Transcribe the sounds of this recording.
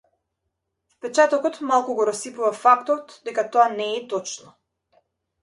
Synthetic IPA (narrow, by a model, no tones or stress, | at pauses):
fpɛt͡ʃat̪ɔkɔt̪malˠkuɡɔɾɔsipuvafakt̪ɔt̪d̪ɛkat̪ɔanɛːt̪ɔt͡ʃnɔ